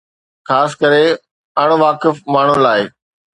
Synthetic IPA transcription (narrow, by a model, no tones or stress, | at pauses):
xaːskəɾe | ɐɽ̃ʋaːkɪfmaːɳ̤ʊlaːɪ